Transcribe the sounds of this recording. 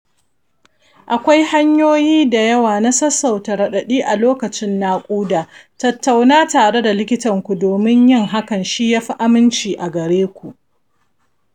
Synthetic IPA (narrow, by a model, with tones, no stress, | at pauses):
ʔa˨kʷa˦jha˦ɲjoː˦jiː˦da˨jɐ˦waː˨na˦sɐ˦sa˨wtɐ˨ɾɐ˨ɗɐ˨ɗiː˦ʔa˨loː˦kɐ˨t͡ʃɪ˦nːaː˦kʷʼuː˦daː˨tɐ˨tːa˨wnaː˦taː˨ɽe˦da˨lɪ˦kʲɪ˦tɐ˨ŋkʷu˨doː˨mɪ˦ɲjɪ˦ŋɦa˦kɐ˨nʃiː˦jaː˦ɸi˦ʔa˦mɪ˦nt͡ʃiː˨ʔa˨ɡɐ˨ɾeː˦kʷu˨ʔ